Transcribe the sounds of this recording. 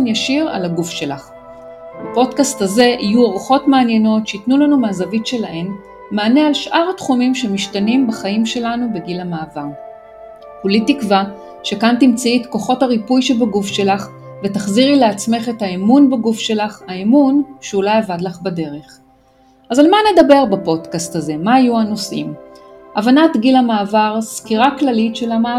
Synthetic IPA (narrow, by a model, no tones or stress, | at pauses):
njaʃiʁa̰laɡufʃe̞laχ | bapo̞dkastaze̞ʔijuoʁχo̞tmaːnje̞no̞tʃeitnulanumaːzavitʃe̞lahe̞n | maːne̞alʃʔaʁatχumimʃe̞miʃtanimbaχaimʃe̞lanube̞ɡilamaːvaʁ | hulitikva | ʃe̞kantimt͡saitko̞χo̞thaʁipujʃe̞baɡufʃe̞laχ | vetaχziʁlileat͡sme̞χe̞thaemunbaɡufʃe̞laχaemunʃeulajavadlaχbade̞ʁe̞χ | ʔazalmane̞d̪abe̞ʁbapo̞dkastaze̞maːjuano̞sʔimʔavanatɡilamaːvaʁskiʁaklalitʃe̞lama